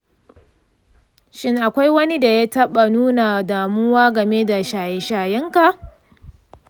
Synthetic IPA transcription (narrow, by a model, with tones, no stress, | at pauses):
ʃɪ˦ŋʔa˨kʷa˦jwɐ˦ni˦da˨ja˦tɐ˦ɓa˨nuː˦na˨daː˨mʊ˦waː˦ɡɐ˨me˦da˨ʃaː˨jɛ˨ʃaː˨jɐ˦ŋka˨ʔ